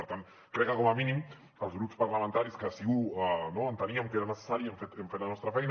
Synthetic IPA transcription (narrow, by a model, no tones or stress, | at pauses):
əɾt̪an | kɾɛkakomaminim | əlˠzɣɾupspaɾlamə̃nt̪aɾiskəsiɣuanoant̪əniamkeɾanəsə̥saɾieɱfet̪eɱfeɾlanɔst̪ɾafɛjn